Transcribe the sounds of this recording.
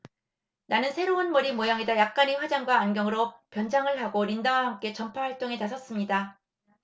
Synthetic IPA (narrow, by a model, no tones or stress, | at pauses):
nanɯnsʰe̞ɾoɯnmʌɾimojaŋedajak̚k͈aɲiɸwad͡ʑaŋɡwaːnɡjʌŋɯɾop͈jʌnd͡ʑaŋɯɭɦaɡoɾindawaɦamk͈e̞t͡ɕʌmpʰawaɭt͈oŋe̞nasʰʌs͈ɯmɲida